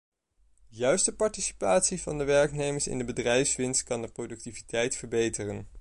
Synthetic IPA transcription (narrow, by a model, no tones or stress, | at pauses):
jœɥstəpɑɹtisi̥paːtsivɑndəʋɛɹknejməɹsɪ̰ndəbədrɛjfsʋɪnst̚kɑndəprodɵk̚tivitʰɛjtfəɹbejtərən